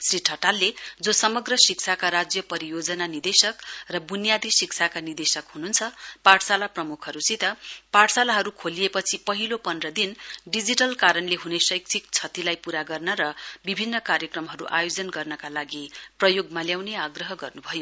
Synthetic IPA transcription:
sriʈʰʌʈalːed͡zosʌmʌɡrʌsik̚t͡sʰakaɾad͡zjʌpʌɾijod͡zʌnanid̪esʌkrʌbunijad̪ʱisikt͡sʰakanird̪esʌkɦununt͡sʰʌpaʈsalaprʌmukʰɦʌɾut͡sit̪ʌpaʈsalaɦʌɾukʰolijepʌt͡sʰipʌɦilopʌnrʌd̪inɖid͡ziʈʌlkaɾʌnleɦunesʌjk̚t͡sʰik̚t͡sʰʌt̪ilajpuɾaɡʌrnʌɾʌbibʱinːʌkaɾjʌkrʌmɦʌɾṵʔa̰jod͡zʌnɡʌrnʌkalaɡiprʌjoɡmaljawneaɡrʌɦʌɡʌrnubʱʌjo

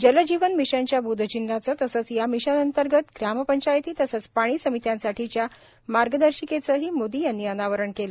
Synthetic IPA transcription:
d͡ʑələd͡ʑiʋənmiʂaɲt͡ɕjabud̪ʱət͡ɕinɾat͡sət̪əsət͡sjamiɕanənt̪əɾɡət̪ɡɾaməpəɲt͡ɕajt̪iːt̪əsət͡spaɽ̃iːsəmit̪jãnsaʈʰit͡ɕja | maɾɡəd̪əɾɕiket͡səɦiːmod̪iːjanːiːənaʋəɾəɳkel

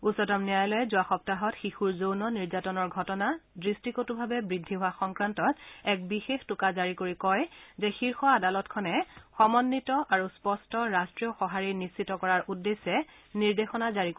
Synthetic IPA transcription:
usɔtɔmnijajɔlɔɛzʊaxɔp̚taɦɔtxixuɹzownɔniɹzatɔnɔɹɡʱɔtɔnadɹistikotubʱabɛbɹidʱːiɦʊaxɔŋkɹantɔtɛk̚bixextʊkazaɹikoɹikɔjzɛxiɹxɔadalɔtkʰɔnɛxɔmɔnːitɔʔaɹuspɔstɔɹastɹijɔxɔɦaɹinisitɔkɔɹaɹʔudːesːɛ | niɹdexɔnazaɹik

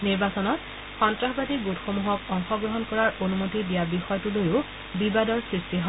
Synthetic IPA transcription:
niɹbasɔnɔt | xɔntɹaɦbatiɡutxomuɦɔkɔŋxɔɡɹɔɦɔnkɔɹaɹonumotidijabixɔjɔtulojʊ | bibadɔɹsɹistiɦɔ

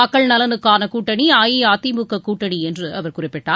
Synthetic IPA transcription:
ɐkːɐɭnɐlɐnɯkːaːnɐkuːʈːɐɳiaːjiaːt̪ːimɯkːɐkuːʈːɐɳiɛndrɯɐʋɐɾkʊrɪpːɪʈːaː

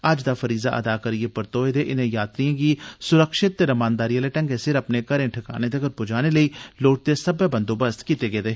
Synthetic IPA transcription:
ad͡ʒd̪afɐɾiːza̰ʔɐ̰d̪aːkɐɾiepəɾt̪oːed̪eʔɪnẽjaːt̪ɾijãːkisʊɾəkʃɪt̪ːeɾɐmãːnd̪aːɾijaleʈɐ̃ŋɡesɪɾɐpnekɐɾẽʈʰɪka̰ːned̪ekəɾ̚pʊd͡ʒaːneləiloːʈ̚t̪esɐbebə̃nd̪obəst̪kiːt̪eɡeːd̪eː

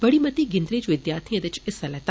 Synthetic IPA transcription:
b̥ɐɽimɐt̪iɡɪnd̪ɾiːt͡ʃʋɪd̪jaːɾt̪ʰiɐd̪ɐt͡ʃɪsɐlɛt̪a

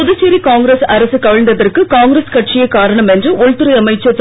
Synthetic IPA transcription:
ɔðɯseɾikaːŋɡɾesɐɾɐsɯkɐʋɐɭnd̪ɐðɐrkɯkaːŋɡɾeskɐʈ̚t͡ʃɪjɐkaːɾɐɳɐmɛndrɯɔɻt̪ɯɾɐɪɐmɐɪt͡ʃːɐt͡ʃ

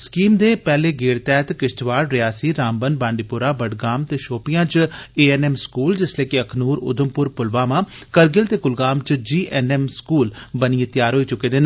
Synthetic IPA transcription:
skiːmd̪eːpɛːleːɡeːɽt̪ɛːt̪kɪsʈʋaːɾɾɪjaːsiːɾaːmbənbãːɳɖiːpʊɾaːbəɖɡaːmt̪eːʃoːpijãːt͡ʃeːɛːnɛːmskuːld͡ʒɪsleːkeəkʰnuːɾʊ̰d̪əmpʊɾpʊlʋaːmãːkəɾɡɪlt̪eːkʊlɡaːmt͡ʃd͡ʒiːʔɛːnɛːmskuːlbəniẽt̪jaːɾɦoːiːt͡ʃʊkeːd̪eːn

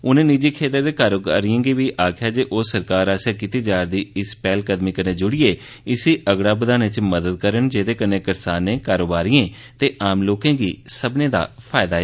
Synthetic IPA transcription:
ʊnẽːnid͡ʒiːkʰeːt̪əɾd̪eːkaːɾoːɡaːɾiə̃ːɡiːʋiːʔaːkʰjaːd͡ʒeːʔoːsəɾkaːɾaːsjaːkit̪iːd͡ʒaːɾd̪iːɪspɛːlkəd̪miːkəɾneːd͡ʒʊɽieː | ɪsiːʔəɡɽaːbəd̪aːnɪt͡ʃməd̪əd̪̚kəɾənd͡ʒeːd̪eːkənẽːkəɾsaːnẽːkaːɾoːbaːɾijẽː | t̪eːʔaːmloːkẽːɡiːsəbnẽːd̪a̰ːpʰaːɪd̪aːɛː

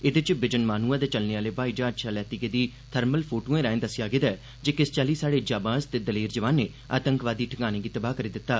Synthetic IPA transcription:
ɪd̪ɪt͡ʃbɪd͡ʒənmaːnuːãːd̪eːt͡ʃəlneːaːleːbaːiːd͡ʒãːəd͡ʒʃʰaːlɛːt̪ikeːd̪iː | t̪ʰəɾməlpʰoːʈoːẽːɾaːẽːd̪əsɪjaːɡɪd̪aː | d͡ʒeːkɪst͡ʃaːliːsaːɽeːd͡ʒaːbãːzt̪eːd̪əleːɾd͡ʒəʋaːnːeː | a̰ːt̪əŋkʋaːd̪iːʈʰəŋaːneːɡiːt̪əbaːkəɾiːd̪ɪt̪ːaː

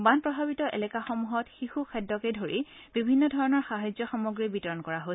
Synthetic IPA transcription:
banpɹɔbʱabitɔʔḛlɛkaxɔmuɦɔtxixukʰɛdɔkedʱoɹib̥ibʱinːɔdʱɔɹɔnɔɹxaɦajzɔxɔmoɡɹibitɔɹɔnkɔɹaɦo

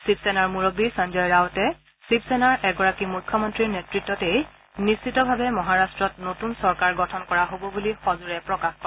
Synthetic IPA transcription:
sipsɛnaɹmuɹobisand͡ʒɔjɹaɔtɛ | sip̚sɛnaɹɛɡɔɹakimukʰːjɔmɔntɹiɹnɛtɹitːɔtej | nist͡ʃitɔbʱabɛmɔɦaɹastɹɔtnotunsɔɹkaɹɡɔtʰɔnkɔɹaɦobɔbulixɔzuɹɛpɹɔkaxkɔ

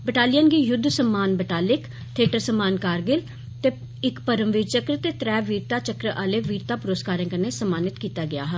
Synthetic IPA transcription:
bəʈaːlɪjənɡiːjʊd̪ʱːsəmːaːnbəʈaːlɪk | t̪ʰeːʈəɾsəmːaːnkaːɾɡɪl | t̪eː | ɪkpəɾəmʋiːt͡ʃəkɾət̪eːt̪ɾɛːʋiːɾt̪aːt͡ʃəkɾəʔaːleːʋiːɾt̪aːpʊɾəskaːɾẽːkəneːsəmːaːnɪt̪kiːt̪aːɡɪja̰ːɦɛ

